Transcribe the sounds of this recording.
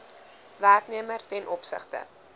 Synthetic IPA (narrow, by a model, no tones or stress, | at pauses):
værkniəmərtɛnʔɔpsə̰χtə̰